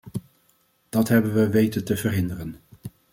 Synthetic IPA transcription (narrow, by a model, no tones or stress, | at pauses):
d̥ɑtɦɛbənʋəʋejtətəvərɦɪndərən